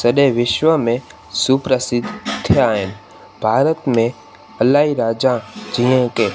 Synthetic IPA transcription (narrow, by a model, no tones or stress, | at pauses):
səɗeʋɪʃʋəmẽ | supɾəsɪd̪ʱt̪ʰːjaɦen | bʱaːɾət̪mẽ | əlaɦiɾaːd͡ʒãd͡ʒĩẽke